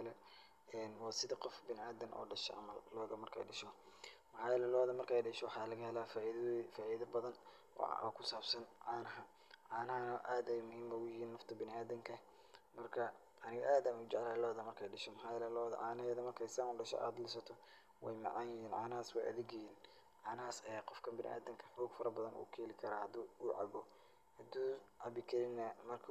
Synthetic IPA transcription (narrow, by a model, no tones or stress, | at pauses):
lɛ | ɛːnwɑːsɪðɐqɔfbɪnɪʔaːd̪ɐnʔɔ̰ːɖɐʃɔ̰ʕɑ̰mɐllɔːɣɐmɐrkʰɛ̰jɖɐʃɔmɐħɑːjɛlɛlɔːðɐmɐrkʰɛjɖɪʃɔwɑħɑːlɐɣɐhɛlaːfafaːʔiːðɐbɐðɐn | ɔ̰ɔ̰ːkʰʊsaːbsɐnʕɑːnɐɦɐ | ʕɑːnɐɦɐnɐʔaːd̪ɛjmʊhiːmbɐɡʊjɪjiːnːɐft̪ʰɐbɪnɪaːðɐŋkʰɐ | mɐrkʰɐ | ɐnɪɣɔʔaːd̪aːnʊt͡ʃɛʕlɛlɔːðɐmɐrkʰɛjɖɐʃɔmħɑjlɐlɔːðɐ̰ʕɑːnɐɛːðɐmɐrkʰɛjsaːmʊɖɐʃɔ̰ʔa̰ːd̪lɪsɐt̪ʰɔ | wɛ̰jmɑ̰ʕɑːnjɪɦiːnʕɑ̰ːnɐhaːswɛ̰jʔɐ̰ðɪɡjɐjiːn | ʕɑːnɐɦaːsɛːqɔfkʰɐmbɪnɪ̰ʔa̰ːd̪ɪŋkʰɐħuːɡfɐɾɐbɐðɐnʔṵːkʰɛːlɪkʰɐɾɐːhɐd̪uːuːʕɑ̰bɔ | hɐd̪uːʕɑbɪkʰɐlɪnɐmɐrkʰ